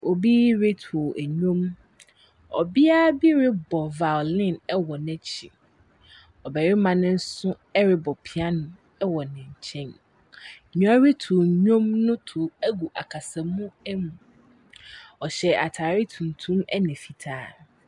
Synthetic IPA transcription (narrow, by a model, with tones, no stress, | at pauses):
o˨bi˦ɾe˦tʰo˨ʔæ˨ɲᶣõ˦m | ɔ̰˨bɪ˦a˦bi˦ɾɪ˦bɔ˨va˨lɪ̃˦˨nɛ˦wɔ˨nɛ̃˦t͡ɕʰiɪ˨ | ɔ˨bɛ˨ɾɪ˦mã˨nɪ̃˦n̩˦sʊ̃˦ | ɛ˦ɾɪ˦bɔ˨pʰi˨a˦nʊ̃˨ | ɛ˦wɔ˨nɪ̃˨ɲ̩˨t͡ɕʰɛ̃˦n˨ | ɲũ˨˦a˦ɾe˦tʰʊ˨ɲᶣõ˦mnʊ̃˦tʰʊ˨æ˦ɡu˨ʔa˨kʰa˨sa˨mũ˦ɛ˦mũ˨ | ɔ˨ɕɛ˨a˨tʰaː˨ɾɪ˦tʰũ˨n˨tʰũ˦mɛ˦nɪ̃˨fi˨tʰaː˦˨